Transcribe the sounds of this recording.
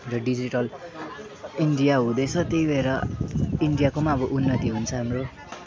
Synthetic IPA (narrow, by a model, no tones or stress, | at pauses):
rʌɖid͡ziʈʌl | iɳɖijaɦũd̪ʌjt͡sʰʌt̪eibʱeɾʌiɳɖijakomaʌbʌʔunːʌt̪iɦunt͡sʰʌɦamro